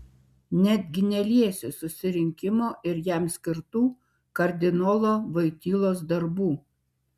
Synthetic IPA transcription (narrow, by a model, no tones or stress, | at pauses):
nʲæd̪ʲɡʲɪnʲɛlʲiɛsʲɪsʊsʲɪɾʲɪŋʲkʲɪmoːʔɪɾjæˑmsʲkʲɪɾt̪uː | kɐɾʲd̪ʲɪnɔːlˠoːʋɐɪt̪ʲiːlˠoːs̬d̪ɐɾbuː